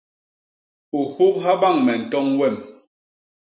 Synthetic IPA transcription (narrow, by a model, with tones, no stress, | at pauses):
o˨ho˦k̚ɦa˦ɓa˦˨ŋmɛ˨n̩˨tɔ˦ŋwɛ˦˨m